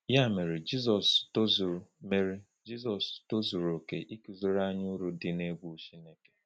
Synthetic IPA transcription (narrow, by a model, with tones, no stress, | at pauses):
ja˦˨me˨ɾi˨d͡ʒi˦zɔ˨sto˦zu˨me˨ɾi˦ | d͡ʒi˦zɔ˨sto˦zu˨ɾo˨ke˨ʔi˦ku˨zo˦ɾa˦ɲʊ˦ɾu˨dɪ˨ne˦ɡʷu˦ʃi˦ne˨ke̥˨